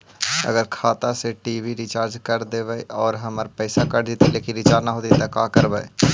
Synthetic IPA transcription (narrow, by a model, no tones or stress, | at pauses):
ə̰ɡəɾkʰaːt̪aseʈiːʋiɾɪt͡ʃaːɾd͡ʒkəɾd̪eːʋəeɔːɾɦəməɾpɛːsakəɾd͡ʒit̪ileːkɪnɾɪt͡ʃaːɾnaɦoːt̪it̪akaːkəɾbəe